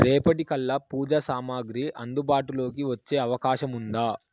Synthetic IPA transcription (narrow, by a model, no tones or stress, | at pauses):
ɾɛːpɐʈikɐlːɐpuːd͡ʒɐsaːmaːɡɾiʔɐnd̪ubaːʈulo̞ːkiʋɐt͡ʃːe̞ːɐʋɐkaːʃɐmund̪aː